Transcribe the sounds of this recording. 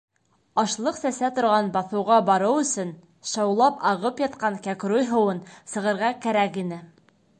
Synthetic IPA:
ɑʃlˠɤqsæsæt̪ŏɾʁɑnbɑθɤ̆wʁɑbɑɾɤwɵ̆sɵn | ʃɑwlˠɑpɑʁɤpjɑt̪qɑŋkækɾojɦɤ̆wɤnsɤ̆ʁɤ̆ɾʁɑkæɾækinɘ

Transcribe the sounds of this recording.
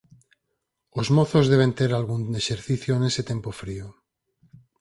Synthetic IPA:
ozmoθozðe̞β̞ẽ̞nt̪eɾalɣuneʃeɾθiθjoene̞set̪e̞mpofɾio

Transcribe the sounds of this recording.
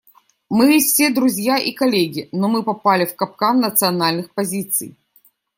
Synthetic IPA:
mɨfsʲed̪ɾʊzʲjaʔikɐlʲeɡʲɪnɔmɨpɐpalʲɪfkɐp̚kanːət̪sɨɐnalʲnɨxpɐzʲit̪sɨ̰j

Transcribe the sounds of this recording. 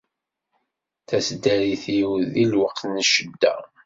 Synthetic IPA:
θæsd̪æɾiθiwðilwəqθnəʃəd̪ːæ̰

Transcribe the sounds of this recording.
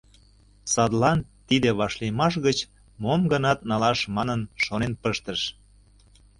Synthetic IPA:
sɑd̪lɑnt̪id̪eβɑʃlijmɑʃ̬ɣət͡ɕ | momɡə̆nɑt̪nɑlɑʃmɑnənʃonenpəʃt̪əʃ

